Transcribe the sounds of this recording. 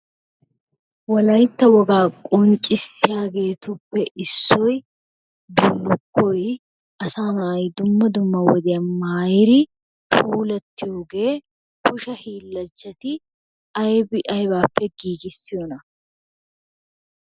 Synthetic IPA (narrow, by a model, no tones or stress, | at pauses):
wɔlɐjt̪ːɐwɔɡaːkʼɔnt͡ʃʼɪsːɪjaːɡe̞ːt̪ʊpːɛʔɪsːɔj | b̪ʊlːʊkːɔj | ʔɐsaːmɐjd̪ʊmːɐd̪ʊmːɐwɔd̪ɪjɐmaːjɪɾɪ | pʰuːlɐt̪ːɪjoːɡe̞ː | kʊʃɐhiːlːɐt͡ʃːɐt̪ɪ | ɐjbɪʔɐjbaːpːɛɡiːɡɪsːɪjonɐ